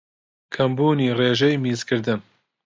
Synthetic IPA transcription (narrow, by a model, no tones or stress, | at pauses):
kʰɐmbuːniːreːʒɛjmiːzkʰɨɾd̪ɨn